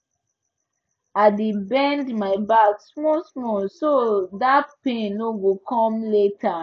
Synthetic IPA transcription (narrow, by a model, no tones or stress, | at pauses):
adebɛ̃ndmaɪbaksmosmosodatpẽnoɡokʰɔ̃mletʰa